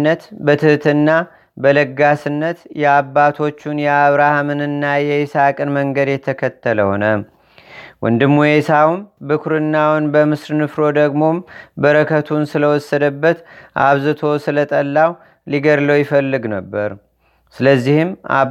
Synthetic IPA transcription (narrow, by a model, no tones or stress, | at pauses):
nːət̪bət̪ʰɨht̪ʰɨnːa | bələɡasɨnːət̪jɛabːat̪ʰo̞t͡ʃːunjɛaβɾahamɨnɨnːajɛɪsakʼɨnməŋɡəd̪jɛt̪ʰəkʰət̪ːələho̞̰nə | wʊ̰nd̪ɨmːujesawumbɨkʰɾɨnːawnbəmɨsɾnɨfɾo̞d̪əɡmo̞mbəɾəkʰət̪ʰunsɨləwɔsːəd̪əbːət̪ʔa̰βzɨt̪ʰo̞sɨlət̪ʼəlːaw | liɡəɾləwjɪfəlːɨɡnəbːəɾ | sɨləzːihɨmʔa̰